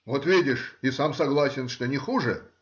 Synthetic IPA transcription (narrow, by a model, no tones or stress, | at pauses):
vot̪vʲidʲɪʂisamsɐɡlˠasʲɪnʂt̪onʲɪxuʐɨ